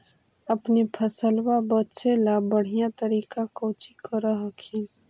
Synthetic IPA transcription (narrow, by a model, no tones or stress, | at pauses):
əpnipʰəsəlwabətːʃelabəɽ̤ijãt̪əɾikakə̃t͡ʃikəɾəɦəkʰi